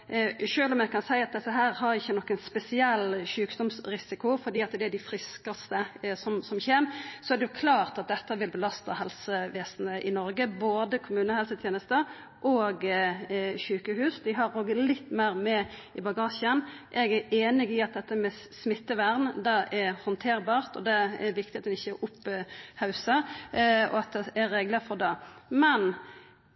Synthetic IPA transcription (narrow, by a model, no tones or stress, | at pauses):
ʃøːlɔmɛɡkʰɑnsæɪɑt̪̚d̪ɛsːəɦæːɾhɑɾɪçːənɔkːənspɛsɪɛlːɕʉːkd̪ɔmsɾɪsɪkʊfɔd̪iːɑt̪d̪ɛæɖɪfɾɪskɑst̪əsɔmsɔmçeːmsɔæɾd̪ɛjʊkʰlɑːɾt̪ɑt̪̚d̪ɛt̪ːəʋɪlbəlɑst̪ɑhɛlsəʋeːsn̩əʔɪnɔɾɡəboːd̪əkʰʊmʉːnəhɛlsət̪ʰjeːnəst̪ə | ʔoːɡ | çʉːkəhʉːsd̪ɪɦɑɾoːɡəlɪt̪ːmæɪʁmɛɪbɑɡɑːʂɪənʔɛɡæɾeːnɪɡɪɑt̪̚d̪ɛt̪ːəmɛ | smɪt̪ːəʋæɾnd̪ɑʔɛɾhɔnt̪ʰeːɾbɑːʁt̪ɔ̰d̪ɛɛɾʋɪkt̪ɪɑt̪d̪ɛnɪçːəʊpːhɑʉsə | ɔ̰ɑt̪̚d̪ɛæɾeːɡləɾfɔʁd̪ɑːmɛn